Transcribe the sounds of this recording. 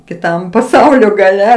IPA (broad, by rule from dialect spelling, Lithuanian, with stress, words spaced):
kʲɪˈtɐm pɐˈsɐʊlʲoː ɡɐˈlʲɛ